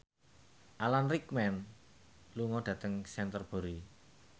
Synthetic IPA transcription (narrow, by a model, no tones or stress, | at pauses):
ʔalanrikmɛn | luŋɔɖ̪̥ä̤t̪əŋsɛnt̪ərb̥o̤ɾi